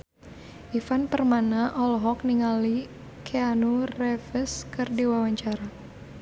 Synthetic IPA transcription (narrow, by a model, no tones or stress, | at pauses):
ʔifanpərmanaʔɔlɦɔk̚niŋali | kʰeanurɛfəskɨrdiwawaɲt͡ʃaɾa